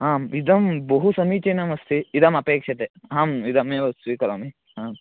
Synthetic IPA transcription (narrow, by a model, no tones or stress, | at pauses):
ɦaːmid̪ɐmbɐɦusɐmiːt͡ʃeːnɐmɐst̪ʰiid̪ɐmɐpeːkʂɐt̪eɦaːmid̪ɐmeːɐsʋiːkɐɾɐmi | ɦaːm